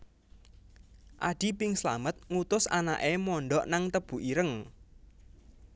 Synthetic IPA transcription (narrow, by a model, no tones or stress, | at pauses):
ʔaɖ̥i̤pɪŋsla̰mət̪̚ŋut̪ʊsa̰na̰ʔemɔɳɖɔʔnaŋt̪əb̥ṳʔiɾəŋ